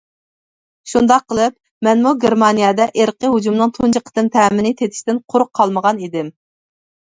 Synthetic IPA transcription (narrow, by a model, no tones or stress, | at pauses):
ʃund̪ɑqʰːəlˠɨp̚ | mɛnmuɡʲeɾmɑnijɑd̪ɛʔeɾqəɦud͡ʒumnɨŋt̪ʰunt͡ʃʰiqʰə̥t̪ɨmt̪ʰɛːmɪnɪt̪ʰet̪ʰɪ̥ʃt̪ɪnqʰʊɾʊqʰːɑlˠməʁɑnid̪ɪm